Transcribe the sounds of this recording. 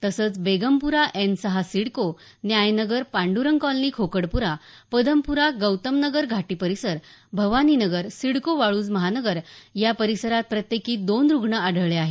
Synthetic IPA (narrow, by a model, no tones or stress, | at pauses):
t̪əsəːt͡sbeɡəmpuɾaʔensəɦasiɽko | njajnəɡəɾpãɳɖuɾəŋkɔlniːkʰokəɽpuɾa | pəd̪əmpuɾaɡəwt̪əmnəɡəɾɡʱaʈiːpəɾisəɾbʱəʋaninəɡəɾsiɽkoʋaɭuːd͡zməɦanəɡəɾjapəɾisəɾat̪̚pɾət̪jekiːd̪onɾuɡʱɳəaɖ̤ʱəʋɭeaɦe